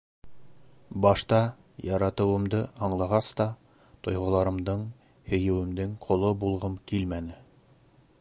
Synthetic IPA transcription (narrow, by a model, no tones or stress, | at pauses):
bɑʃt̪ɑ | jɑɾɑt̪ɤ̆wɤ̆md̪ɤhɑɴlˠɑʁɑst̪ɑ | t̪ŏjʁɤ̆lˠɑɾɤ̆md̪ɤɴ | hɵ̆jɘ̆wɘ̆md̪ɘŋqʰŏlˠɤbulˠʁɤmkilmænɘ